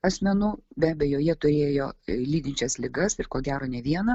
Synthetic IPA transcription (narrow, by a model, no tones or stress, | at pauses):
ɐsʲmʲɛnuːbʲæːbʲɛjoːjɛt̪ʊɾʲeːjoːlʲiːd̪ʲɪnʲt͡ʃʲɛslʲɪɡɐsɪɾkoːɡʲæːɾoːnʲɛʋʲiɛnɐ